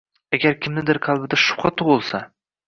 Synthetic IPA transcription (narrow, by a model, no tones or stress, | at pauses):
aɡʲaɾkʲʰɪmnɪd̪ɪɾqʰɑlˠbɪd̪aʃʊ̥pqɑt̪ʰʊʁʊlˠsa